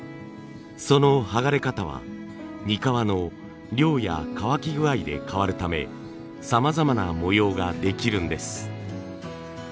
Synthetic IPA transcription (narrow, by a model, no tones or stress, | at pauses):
so̞no̞haɡaɾe̞kat̪aβ̞a̰ | ɲ̟ikaβano̞ | ɾʲo̞ːja̰kaβakʲiɡɯ̟aid̪e̞̰kaβaɾɯ̟t̪ame̞̰ | samazamanamojo̞ːɡad̪e̞kʲiɾɯ̟̃nd̪e̞sɨ̥